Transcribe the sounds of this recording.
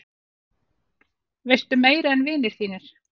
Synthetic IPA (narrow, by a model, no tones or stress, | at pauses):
vejst̪ʏmeːjɾaɛnvɪːnɪɾ̥θiːnɪɾ̥